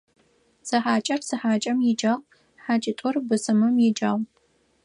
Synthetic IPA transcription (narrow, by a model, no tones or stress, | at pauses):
sɐħaːt͡ʃʼɐrsɨħaːt͡ʃʼɐmjɪd͡ʒaːʁ | ħaːt͡ʃʼɪtʼʊrbɨsɨmɨmjɪd͡ʒaːʁʷ